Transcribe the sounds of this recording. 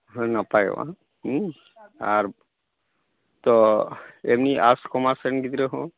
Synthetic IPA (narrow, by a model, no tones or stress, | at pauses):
ɦnapaj̰wã̰ | aɾ | t̪ɔ | emniʔaskɔmasenɡid̪ɾeɦõ